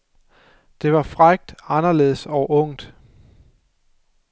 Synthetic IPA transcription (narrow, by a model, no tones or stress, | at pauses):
d̥e̝ʋɑ̈fʁaɡ̥̚d̥ɑ̈nɐle̝̰ːð̩ˠsɒʊʔɔ̽ŋ̰d̥